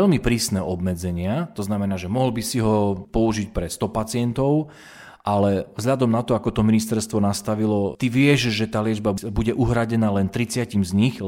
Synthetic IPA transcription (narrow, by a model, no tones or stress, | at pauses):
ɛlmipɾiːsnɛʔɔbmɛd͡zɛɲɪat̪ɔznamɛnaːʒɛmɔɦl̩bisiɦɔpɔuʒic̚pɾɛst̪ɔpat͡sɪɛnt̪ɔʊ | ʔalɛvzʎad̪ɔmnat̪ɔakɔt̪ɔminist̪ɛɾst̪ʋɔnast̪aʋilɔt̪iʋɪɛʒʒɛt̪aːlɪɛd͡ʒbabuɟɛʔuɦɾaɟɛnaːlɛnt̪ɾit͡sɪacimzɲix